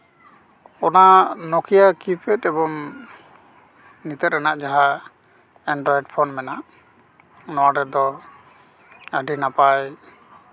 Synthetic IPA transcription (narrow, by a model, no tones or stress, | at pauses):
ɔnanɔkʰijakipʰɛtɛbɔŋ | nit̪ɛt̪ɾɛnaʔd͡ʒaɦa | ɛnɖɾɔɛɖpʰɔnmɛnaʔ | nɔwaɾɛd̪ɔ | əɖinapaj